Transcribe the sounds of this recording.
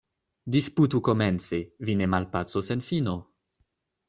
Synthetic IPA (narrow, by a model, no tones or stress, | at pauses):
disputuko̞ment͡sevinemalpat͡sosenfino